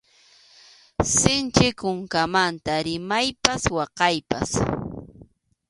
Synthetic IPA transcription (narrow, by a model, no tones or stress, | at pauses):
sɪnt͡ʃɪkʊŋkamant̪aɾɪmajpaswɑqɑjpa̰s